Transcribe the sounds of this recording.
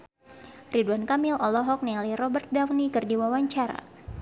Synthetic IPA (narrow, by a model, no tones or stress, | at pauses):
riduankamɪlʔɔlɔɦɔk̚nɛliɾɔbərt̪̚dawnikɨrdiwawaɲt͡ʃaɾa̰